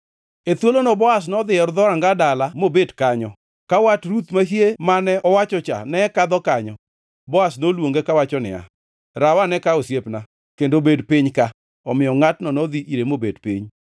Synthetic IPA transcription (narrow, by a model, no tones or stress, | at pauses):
et̪wolonɔbɔas̬nɔd̪ɪɛɾd̪ɔɾaŋɡadalamobedkaɲɔ | kawatɾut̪maɦjemanɛʔɔwat͡ʃɔt͡ʃa̰nɛkad̪ɔkaɲɔ | bɔasnolwoŋɡekawat͡ʃɔnɪ̰a̰ | ɾawanɛkaosjepna | kendobedpɪɲka | ɔmɪɔŋatnɔnɔd̪iʔiɾemobedpḭɲ